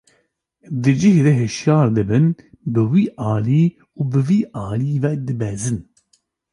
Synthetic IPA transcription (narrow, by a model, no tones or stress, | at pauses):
d̪ɨd͡ʒɨhd̪eɦɨʃjɑːɾd̪ɨbɨnbɨwiːʔɑːliː | uːbɨviːʔɑːliːvɛk̚d̪ɨbɛzɨn